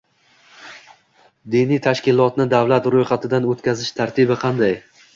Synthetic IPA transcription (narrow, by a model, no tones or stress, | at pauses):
d̪inijt̪ʰaʃkʲɪlˠɒt̪nɪd̪avlat̪ɾojχɑt̪ʰɪd̪anot̪kʲazɪʃt̪ʰaɾt̪ʰɪbɪqʰɑnd̪aj